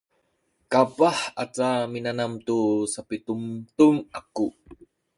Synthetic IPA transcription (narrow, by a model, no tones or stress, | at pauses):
kapaħat͡saminanamt̪usapit̪umt̪umaku